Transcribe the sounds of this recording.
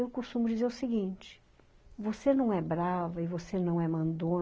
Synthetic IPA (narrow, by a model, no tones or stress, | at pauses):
ewkust̪ũmʊd͡ʒizeɾʊsiɡĩnt͡ʃɪ̥ | vosenɐ̃w̃ɛbɾavɐɪvosenɐ̃w̃ɛmɐ̃nd̪õ